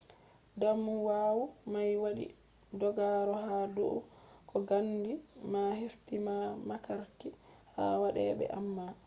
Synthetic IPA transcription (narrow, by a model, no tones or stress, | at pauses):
damːuwaːwumajwaɗḭ | dɔɡaɾɔhadoʔukʰɔɡaŋɡimaheftimamakaɾkiha̰ːwaɗɛɓɛ̰ʔamːa